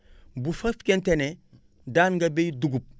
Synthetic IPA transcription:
bufɐfkentene | daːnɡɐbejduɡup̚

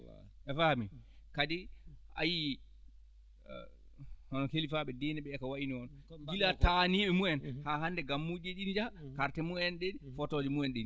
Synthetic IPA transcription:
ɛfahmikadɛa̰ji | hɔnɔkelifaɓɛdɛnɛɓɛɛkawaʔiniɔnɡilataniːɓɛmuɛnhaɦandɛɡamːud͡ʒeɗinid͡ʒakaɾtɛmuɛnɗenifɔtɔd͡ʒɛmuɛnɗeni

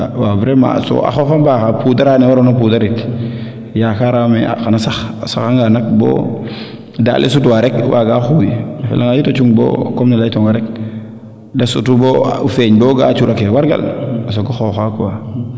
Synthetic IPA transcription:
wabɾema̰so̰ʔa̰xofambaːxapudaɾaniwaɾonapudaɾit | jakaɾamea̰xanasaxsa̰xaŋɡanak̚bo̰ | da̰ːlʔḛsutuwaɾekwʔaɡaːxujafḛlaŋajitot͡ʃuŋbo̰komnalajitoŋɡaɾek̚ | dasṵtuboufeɲboɡa̰ːt͡ʃuɾakewaɾɡa̰las̬oɡaxoxakuwa

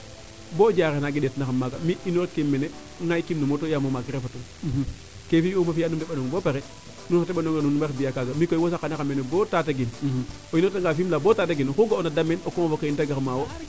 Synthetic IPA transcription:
bod͡ʒaɾenaɡidɛtnaxamːaɡamiinoɾekːemːenɛ | ŋajkimnumotojamomakiɾefatun | kefiomafijanundɛɓanuŋbopeɾɛ | nunxateɓanoŋɡenunaɾbijakaɡamikojwosakanakamenebotataɡin | oinotaŋɡaːfimlabotat̬aɡinxuɡaonadamenokɔmfokaintaɡaxmawo

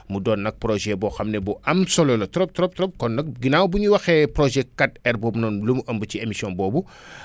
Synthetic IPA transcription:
mudɔːnːɐk̚prɔʒɛbɔxɐmnɛbɔʔɐmsɔlɔlɐtɔɾɔp̚tɔɾɔp̚tɔɾɔp̚kɔnːɐk̚ɡinawbuɲuwɐxɛprɔʒɛkɐtɛrbɔːbnɔːnlumuʔəmbuciemisiɔnbɔːbu

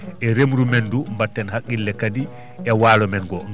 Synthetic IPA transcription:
ʔɛɾemɾumɛndumbatːɛnhakːilːɛkadi | ɛwaːlɔmɛnɡɔ

